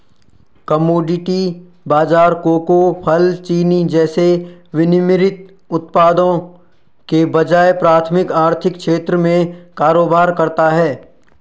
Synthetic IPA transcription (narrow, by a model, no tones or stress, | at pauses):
kɐmoːɖɪʈi | baːd͡ʒaːɾkoːkopʰɐlt͡ʃiːnid͡ʒɛːseʋɪnɪmɪɾɪt̪ | ʊt̪̚paːd̪õ | kebɐd͡ʒaːepɾaːt̪ʰmɪkaːɾt̪ʰɪkkʰʃeːt̪ɾəmẽkaːɾoːbaːɾkɐɾt̪aɦɛː